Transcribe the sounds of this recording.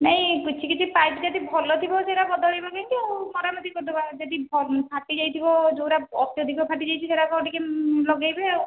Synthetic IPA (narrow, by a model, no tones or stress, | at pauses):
naɦĩkut͡ʃʰikit͡ʃʰipajtid͡ʒad̪ibʱɔlɔt̪ʰibɔseɾakɔd̪ɔɭajbakaŋk̪iaw̃mɔɾamɔd̪ikɔʈubad͡ʒad̪ibʱɔpʰaʈid͡ʒajt̪ʰibɔd͡ʒowɾaɔt̪ijɔd̪ʱikʰɔpʰaʈid͡ʒajt͡ʃʰiseɾakɔɔʈikelɔɡajbe